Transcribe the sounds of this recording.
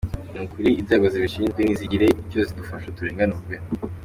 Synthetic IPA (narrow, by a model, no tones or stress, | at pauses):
nukuɾiːzaɡaziβiʃiːɲeniziɟiɾeiozidufaʃatuɾeːŋɡanuɡe